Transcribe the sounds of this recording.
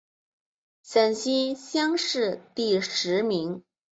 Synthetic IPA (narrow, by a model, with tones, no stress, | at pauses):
sə˨˩nɕi˥nɕjɑ˥ŋʂɻ̩˥˧t̪i˥˩ʂɻ̩˧˥mi˧˥ŋ